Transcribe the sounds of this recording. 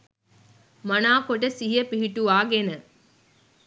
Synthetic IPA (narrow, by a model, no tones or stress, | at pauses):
manaːkoʈ̬əsiɦjəpiɦiʈuʋaːɡenə